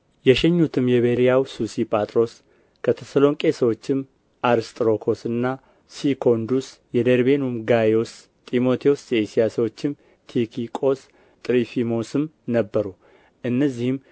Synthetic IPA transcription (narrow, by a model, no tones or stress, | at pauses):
jɛʃɛɲːut̪ʰɨmjɛβeɾijawsusipʼat̪ʼɾo̞s | kʰət̪ʰɛsəlo̞ŋkʼe̞səwo̞t͡ʃːɪm | ʔaɾɨst̪ʼɾo̞kʰo̞sɨnːa | sikʰo̞nd̪usjɛd̪eɾbe̞numɡajo̞s | t̪ʼimo̞t̪ʰijosjeesijasəwot͡ʃːɪm | t̪ʰikʰikʼo̞s | t̪ʼɾifimo̞sɨmnəbːəɾu | ʔɨnːəzːihɨm